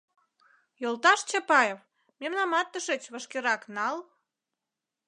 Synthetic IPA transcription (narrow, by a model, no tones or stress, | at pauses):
jolt̪ɑʃt͡ɕɑpɑjef | memnɑmɑt̪ːəʃĕt͡ɕβə̆ʃkeɾɑknɑl